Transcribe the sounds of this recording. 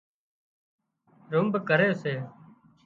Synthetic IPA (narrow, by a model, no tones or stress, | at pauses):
ɾʊmbkəɾeːseː